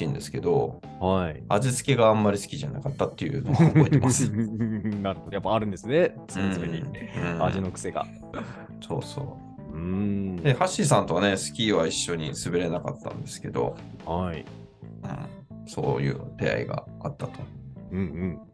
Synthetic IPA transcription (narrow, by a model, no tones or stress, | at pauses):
ĩnd̪e̞sɨ̥ke̞d̪o̞̰ | haiaʑit͡sɨ̥kʲe̞ɡaamːaɾʲisɨ̥kʲiʑana̰kat̪ːat̪ːe̞jɯ̟ːno̞obo̞it̪emasɨ | naɾjapːaːɾɯ̟̃nd̪esɨne | som̃t͡sɨmeɲiɯ̃aʑino̞kɯ̟̥se̞ɡa̰ | so̞̰ːso̞̰ː | ɯ̃d̪ehaɕis̬ãnt̪o̞βane̞sɨ̥kʲiːβaiɕːo̞ɲ̟isɨbe̞ɾe̞naka̰t̪ːã̰nd̪e̞sɨ̥ke̞d̪o̞̰ | hai | ɯ̟̰̃ɴso̞̰ːjɯ̟̰ːt̪e̞̰a̰ḭɡa̰at̪ːat̪o̞̥ɯ̟̃ɴɯ̟̃ɴ